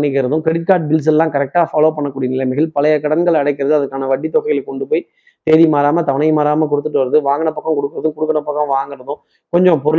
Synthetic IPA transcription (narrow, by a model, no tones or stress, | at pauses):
nɳːɪkːɪɾɐðɯ̃kɛɽɪt̪̚kaːɾʈ̚bɪls̬ɛlːãːkɐɾɛk̚ʈaːfaːloːpɐɳːɐkːuːɽɪjɐnɪlɐɪmɐɣɪlpɐlɐjɐkːɐɽɐŋɡɐɭɐɽɐɪk̬ːɪɾɐðɯɐðɐkːaːnɐʋɐʈːit̪ːɔɣɐɣɐlɛkːɔɳɖɯpoːj | t̪eːðimaːɾaːmɐt̪ɐʋɐɳɐɪmaːɾaːmɐkɔɽɯt̪ːɯʈːɯʋɐɾɐðɯʋaːŋɡɐɳɐpːɐkːɐ̃mkɔɽɯkːɯɾɐðɯ̃mkɔɽɯkːɐɳɐpːɐkːɐ̃mʋaːŋɡɪɾɐðʊ̃ | kɔɲd͡ʒɔ̃pɔɾɯ